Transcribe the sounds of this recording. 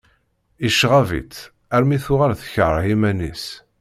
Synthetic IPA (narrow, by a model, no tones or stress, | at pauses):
iʃːʁavḭt͡s̪ | æɾmiθʊʁaɾθə̥çəɾˤimænis